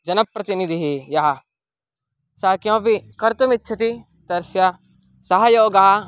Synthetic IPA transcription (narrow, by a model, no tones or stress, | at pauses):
d͡ʒɐnɐpːɾɐt̪inid̪ʱiɦijɐɦɐ | saːkjõːpikɐɾt̪ɐmit̪ːʃʰɐt̪i | d̪̥ɐɾsja | sɐɦɐjoːɡɐɦa